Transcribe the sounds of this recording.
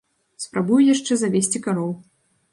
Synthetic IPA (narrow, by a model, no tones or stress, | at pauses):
spɾabujujaʂt͡ʂɛzavʲesʲt͡sʲikaɾɔw